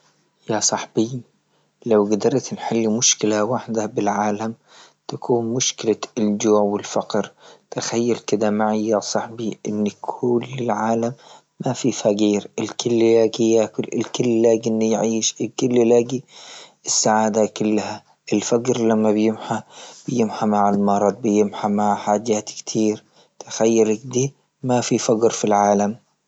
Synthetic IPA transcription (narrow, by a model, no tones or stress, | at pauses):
jasˤɑħb̥i | lawɡad̪ɑɾˤt̪nħɪlːmʊʃkɪlawaħd̪abɪlʕaːlam | t̪akʰuːnmʊʃkɪlaɪld͡ʒʊːwɪlfɑqɾt̪axajːalkɪd̪amaʕijasˤɑħbiʔɪnːkʰʊlːɪlʕaːlamː | afifaqiːɾɪlkʊlːlaːɡijaɪkʊlːlaːɡʔɪnːijʕiːʃɪlkʊlːɪlaːɡiɪsːaʕaːd̪akʊlːha | ʔɪlfaɡɾlamːabɪjɪmħab̥ɪjɪmħamaʕɪlmɑɾˤɑd̪̚ˤbɪjɪmħamaʕħaːd͡ʒaːt̪kt̪ʰiːɾ | t̪ḁxajːalakd̪iː | mafifaɡɾfilʕaːlam